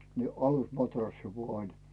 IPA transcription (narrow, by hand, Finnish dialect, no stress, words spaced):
ni ɑlusmɑtrɑsːi ʋuɑ lʲ